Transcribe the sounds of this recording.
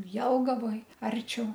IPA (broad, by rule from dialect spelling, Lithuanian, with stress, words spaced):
ˈjɛlˠɡɐʋoːj ˈɐrʲt͡ʃʲɛʊ